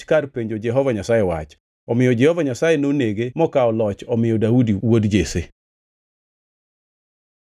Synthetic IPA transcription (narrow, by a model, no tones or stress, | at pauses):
karpeɲd͡ʒod͡ʒɛɦɔvaɲasajewa̰t͡ʃ | ɔmɪjɔd͡ʒɛhɔvaɲasajenoneɡemɔkaɔlɔt͡ʃɔmɪjɔdaudiwodd͡ʒese